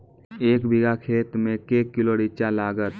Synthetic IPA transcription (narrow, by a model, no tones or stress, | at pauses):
eːkbʱɪɡakʰeːt̪mẽkeːkːɪloɽɪt͡ʃalaːɡət̪